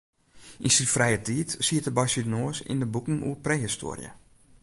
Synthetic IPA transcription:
ʔinsifrɛjətiːtsiətəbajsidnoːəsḭndəbukn̩ṵəprehisto̰ːrijə̰

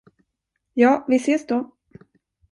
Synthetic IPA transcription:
jɑːvɪseːsd̪o

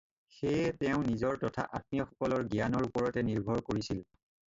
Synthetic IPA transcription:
xejɛtɛʊ̃nizɔɹtɔtʰa̰ʔa̰t̚mijɔxɔ̥kɔlɔɹɡijanɔɹupɔɹɔtɛniɹbʱɔɹkoɹisil

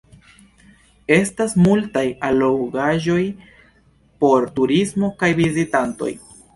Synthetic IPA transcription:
e̞stasmultajalowɡaʒo̞j | po̞ɾtuɾismo̞kajvizitanto̞̰j

